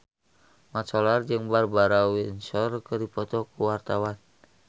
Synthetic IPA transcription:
mat͡ʃɔlard͡ʒɨŋbarbaɾawinsɔrkərdipɔt̪ɔkuwart̪awan

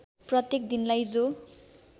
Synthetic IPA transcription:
prʌt̪jek̚d̪inlajd͡zo

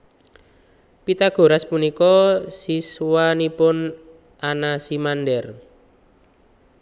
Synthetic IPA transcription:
pit̪aɡ̥o̤ɾaspunikɔsiswanipʊn | anasimandɛr

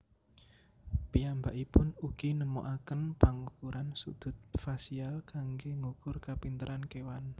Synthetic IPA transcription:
piambaʔipʊnuɡ̥inəmo̰ʔakənpaŋukuɾansṵd̪̥ʊ̤t̪̚fasialkaŋɡeŋukʊrkapint̪əɾʔankewan

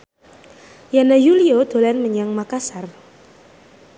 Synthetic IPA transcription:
janajuliod̪̥o̤lɛnməɲaŋmakasar

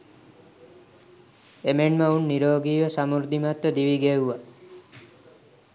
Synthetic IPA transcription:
emenməunːiɾoːɡiːʋəsamuɾd̪ʱimat̪ːəd̪iʋiɡeuʋa

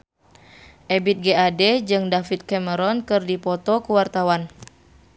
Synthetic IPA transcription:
ʔebit̪̚ɡeadɛd͡ʒɨŋdafit̪̚kɛməɾɔnkɨrdipɔt̪ɔkuwart̪awan

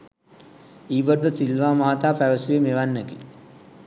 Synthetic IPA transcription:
iːʋəɖʋəsilʋaːmaːat̪aːpæʋəsuʋemeʋanːəki

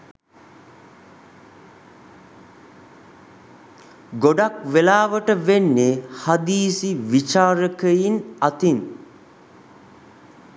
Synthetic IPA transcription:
ɡoɖakʋelaːʋəʈəʋenːehad̪iːsiʋit͡ʃaːɾəkəjinat̪in

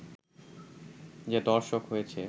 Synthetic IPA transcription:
d͡ʑed̪ɔɾʃokɦojet͡ɕʰe

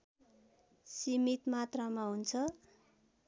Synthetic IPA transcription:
simit̪mat̪ramaɦunt͡sʰʌ

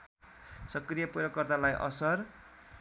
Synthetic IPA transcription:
sʌkrijʌpuɾʌkːʌrt̪alajʔʌ̰sʌr

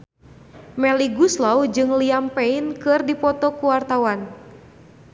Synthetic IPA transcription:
mɛliɡuslɔwd͡ʒɨŋliampɛinkɨrdipɔt̪ɔkuwart̪awan

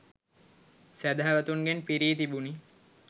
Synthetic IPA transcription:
sæd̪aɦːʋət̪uŋɡenpiɾiːt̪ibuni

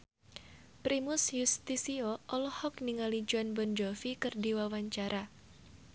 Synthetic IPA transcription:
pɾimʊsjust̪isiɔʔɔlɔhɔk̚niŋalid͡ʒuanbɔnd͡ʒɔfikɨrdiwawaɲt͡ʃaɾʔa

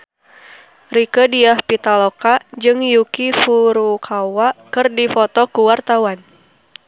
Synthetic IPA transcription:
rikədiahpit̪alokad͡ʒɨŋjukifuɾukʰawakɨrdifɔt̪ɔkuwart̪awan

